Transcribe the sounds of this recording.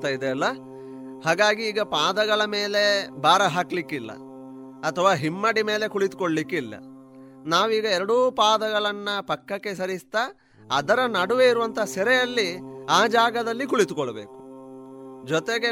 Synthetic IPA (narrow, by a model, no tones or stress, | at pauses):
t̪aːjid̪eɐlːɐ | haːɡaːɡiːɡɐpaːd̪ɐɡɐɭɐme̞ːle̞bʱaːɾɐɦaːklikːilːɐ̰ | ɐt̪ʰːɐʋaːɦimːɐɽime̞ːle̞kuɭit̪u̥koɭlikːilːɐ̰ | naːʋuiːɡɐɛɾɐɽuːpaːd̪ɐɡɐɭɐnːɐpɐkːɐkːe̞sɐɾist̪ɐ | ɐd̪ɐɾɐnɐɽuʋeiɾuʋɐnt̪ʰɐsɛɾɛjɐlːiaːd͡ʒaːɡɐd̪ɐlːikuɭit̪ukɔɭɐbeːku̥ | d͡ʒɔt̪eɡe